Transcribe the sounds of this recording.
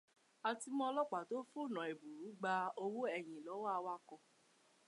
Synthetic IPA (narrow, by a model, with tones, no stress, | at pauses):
a˨ti˧mɔ̃˧lɔ˦k͡pa˨to˨˦fu˦˨nɔ̃˨e˨bu˨ɾu˨˦ɡ͡ba˧o˧wo˦ɛ˦˨j̃ĩ˨lɔ˨˦wa˦˧wa˦kɔ˧